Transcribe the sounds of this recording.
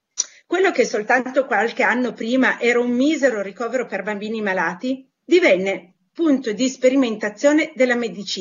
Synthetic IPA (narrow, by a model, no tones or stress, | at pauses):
kwelːok̟esːolt̪annt̪okwalk̟eanːopɾiːmaʔɛːɾaumːiːzeɾorikɔːveɾoperbambiːnimalaːt̪i | d̪ivɛnːe | punt̪od̪ispeɾiment̪at̪sːjoːned̪elːamed̪it͡ʃiː